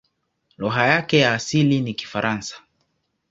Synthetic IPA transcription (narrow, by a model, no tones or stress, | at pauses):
lɔɦajakɛjaːsiliniki̥faɾʔansḁ